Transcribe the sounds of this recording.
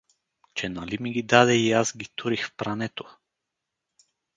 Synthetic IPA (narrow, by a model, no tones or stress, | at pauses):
t͡ʃɛnalimiɡid̪ad̪ɛiazɡit̪ʰuɾixfpɾanɛt̪o̥